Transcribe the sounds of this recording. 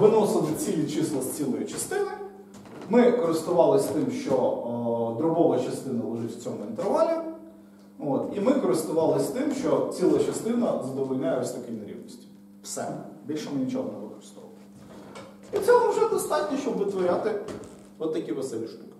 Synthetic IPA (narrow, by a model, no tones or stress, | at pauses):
ʋɪnɔsɪlˠɪt͡sʲijʲit͡ʃɪslˠɐsʲt͡sʲilˠɔjit͡ʃɐst̪ɪnɪ | mɪkɔɾɪst̪ʊʋɑlˠɪsʲt̪ɪmʃt͡ʃɔ | d̪ɾʊbɔʋɐt͡ʃɐst̪ɪnɐlˠɐʒɪtʲw̥t͡sʲɔmʊɪnt̪eɾʋɑlʲi | ot̪imɪkɔɾɪst̪ʊʋɑlˠɪsʲt̪ɪmʃt͡ʃɔt͡sʲilˠɐt͡ʃɐst̪ɪnɐzɐd̪ɔʋɔlʲnʲajɛʋɪsɔkʲijnɐɾʲḭwnʲisʲtʲi̥ | psɛbʲilʲʃɛmɪnʲit͡ʃɔɦɔnɛʋɪkɔɾɪ̥st̪ɔʋɐlˠɪ | it͡sʲɛmʊʋʒɛd̪ɔst̪ɑtʲnʲiʃt͡ʃɔbʋɪt̪ʋɔɾʲat̪ɪ | ɔt̪ːɐkʲiʋesɛlʲiʃt̪ukɪ̥